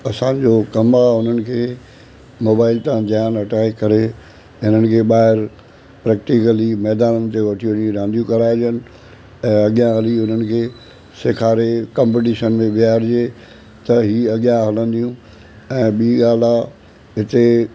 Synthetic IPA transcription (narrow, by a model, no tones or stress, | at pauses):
ɐsãd͡ʑokɐmaɦʊn̤ənɪ̆kʰeː | moːbaːɪlt̪ãd͡ʑ̪jaːnɐʈʰaːikɐɾe | ɦɪn̤ənɪ̆kʰeːɓaːɦɪɾ | pɾɛːk̚ʈikəlimɛːd̪aːnənɪ̆t̪eʋɐʈʰiʋə̃ɲĩɾãːnd̪ijũkɐɾaːɪd͡ʑənɪ̆ | ɛ̃ːɐɠjãɦɐliʊn̤ənɪ̆kʰeː | sekʰaːɾekãːmpeʈ̬iːʃənmẽʋɪaːɾd͡ʑe | t̪ɐɦiːɐɠjãɦɐlə̃n̆d̪ijũ | ɛ̃ːɓiiɠaːl̤a | ɦɪt̪e